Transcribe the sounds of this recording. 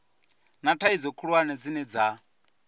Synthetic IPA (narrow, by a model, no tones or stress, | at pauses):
natʰaid͡zɔkʰuɺwanɛd͡zinɛd͡za